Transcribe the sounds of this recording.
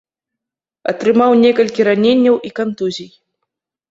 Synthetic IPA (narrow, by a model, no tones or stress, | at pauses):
ɐ̰t̪ɾɨmawnʲɛkɐlʲkʲiɾanʲenʲːɐwʔikant̪uzʲij